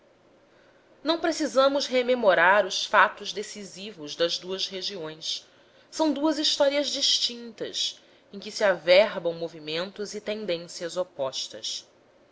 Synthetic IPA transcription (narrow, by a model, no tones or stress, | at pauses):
nɐ̃w̃pɾesizɐ̃mʊzɦememoɾaɾʊsfat̪ʊzd̪esizivʊzd̪ɐzd̪uɐzheʒiõj̃s | sɐ̃w̃d̪uɐziʃt̪ɔɾiɐzd͡ʒiʃt͡ʃĩnt̪ɐ̰s | ẽj̃kisiavɛɦbɐ̃w̃movimẽnt̪ʊzit̪ẽnd̪ẽsiɐzopɔʃt̪ɐ̰s